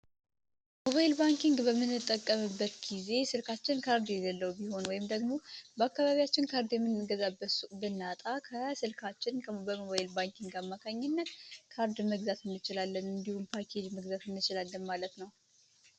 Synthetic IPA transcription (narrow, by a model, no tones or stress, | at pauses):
mo̞βajɪlbaŋkiŋɡbəmːɨnːɨt̪ʼːəkʼːəmɨbːət̪ɡize̞sɨlkat͡ʃːɪnkʰaɾd̪jɛləlːəwubiho̞nwɔjɪmd̪əɡmo̞bəakːaβaβijat͡ʃːɪnkʰaɾd̪jɛmːɨnːɨɡəzabəsubɨnːat̪ʼakʰəsɨlkʰat͡ʃːɪnkʰəbəmoβajɪlbaŋkʰiŋɡamːakʰaɲːɪnːət̪kʰaɾd̪məɡzat̪ɨnːɨt͡ʃɪlalːənɨnd̪ihumpʰakʰe̞d͡ʒməɡzat̪ɨnːɨt͡ʃɪlalːənmalət̪nəw